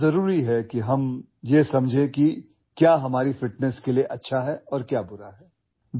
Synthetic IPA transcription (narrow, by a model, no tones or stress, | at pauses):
ɐɾuːɾiɦɛkiɦɐm | jesɐmd͡ʒʱẽki | kjaːɦɐmaːɾifɪʈ̚nɛskelieʔɐtːʃʰaɦɛɔːɾkjaːbʊɾaɦɛː | b